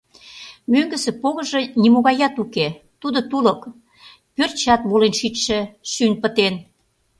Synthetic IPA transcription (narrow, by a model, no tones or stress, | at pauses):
møŋɡə̆sĕpoɣə̆ʒĕnʲimoɣɑjɑt̪uke | t̪ud̪ŏt̪ulə̆k | pørt͡ɕɑt̪βolenʃit͡ɕʃə̆ʃynʲpə̆t̪en